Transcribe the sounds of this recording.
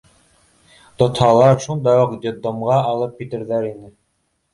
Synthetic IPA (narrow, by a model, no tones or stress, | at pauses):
t̪ŏt̪hɑlˠɑɾʃund̪ɑjuqd̪ʲed̪omʁɑːlˠɤp̚kit̪ɘ̆ɾðæɾinɘ